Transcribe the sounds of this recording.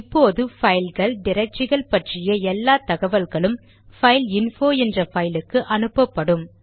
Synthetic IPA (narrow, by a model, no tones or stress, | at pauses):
ɪpːoːðɯfɐɪlɣɐɭɖɪɾɐɪt͡ʃɪɣɐɭpɐʈrɪjɐɛlːaːt̪ɐɣɐʋɐlɣɐɭɯm | fɐɪlɪnfoːɛndrɐfɐɪlɯkːɯʔɐnɯpːɐpːɐɽɯm